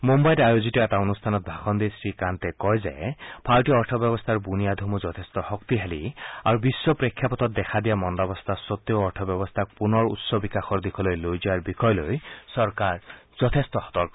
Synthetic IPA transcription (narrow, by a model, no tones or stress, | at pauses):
mombajɾajozitɔɛt̪aonust̪ʰanɔt̪̚bʱaxɔnd̪isɹikant̪ɛkɔjzḛpʰaltiɔɔɹtʰɔbjɔbɔst̪ʰaɹbunijad̪ʱomuzɔt̪ʰest̪ɔhɔkt̪iɦeliaɹubisːɔpɹekʰːjapɔt̪ɔt̪̚d̪ɛkʰad̪ijamɔndabɔst̪ʰasɔt̪ːjoɔɹtʰɔbjɔbɔst̪ʰak̚punɔɹṵt̪sɔbikaxɔɹd̪ikʰɔlojlojziaɹbikʰɔjlojsɔɹkaɹz̥ɔt̪ʰest̪ɔxɔ̥t̪ɔɹkɔ